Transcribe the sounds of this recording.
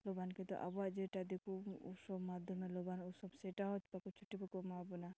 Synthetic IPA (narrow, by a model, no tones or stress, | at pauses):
lɔbankit̪ɔ̰ʔabɔaʔd͡ʒeʈad̪ekuṵsɔbmad̪ʱjɔmɛlɔbanusɔbseʈaɦɔt͡ʃpakut͡ʃʰu̥ʈːibɔkɔmabɔna